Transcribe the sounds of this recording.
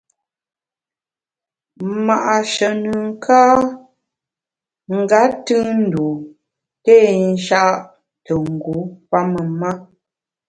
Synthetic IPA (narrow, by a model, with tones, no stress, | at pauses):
ma˨ʔa˨ʃə˨nɨ˨ŋ̩˦kʰaː˦ | ŋ̩˨ɡa˨˦tɨ˦n̩˨du˨ | teː˦˨n̩˦ʃa˦ʔʔ | tə˨ŋ̩˨ɡu˨˦pa˦mə˨ma˦